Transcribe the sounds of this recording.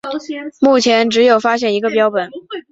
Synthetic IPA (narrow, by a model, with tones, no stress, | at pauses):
mu˥˩t͡ɕʰjɛ˧˥nʈ͡ʂɻ̩˧˥jo˨˩ʊfa˥ɕjɛ˥˩ni˧˥ɡə˧p̬jɑ˥ʊpwə˨˩˦n